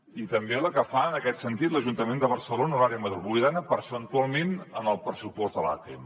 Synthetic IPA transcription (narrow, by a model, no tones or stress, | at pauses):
it̪əmbeləkəfaənəkɛt̪sənt̪it̪ləʒunt̪əmend̪əβ̞ərsəlonəuɾaɾiəməðɾuβujðanəpəɾsənt̪ualˠmenənəlˠpɾəsupɔzðəla̰t̪ḛm